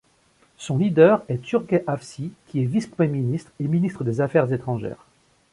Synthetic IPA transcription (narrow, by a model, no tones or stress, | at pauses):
sɔ̃lid̪œʁɛt̪yʁɡɛʔafsikʲʰiɛvispχəmjeminist̪χeminist̪χəd̪ezafɛʁzet̪χɑ̃ʒɛ̰ːʁ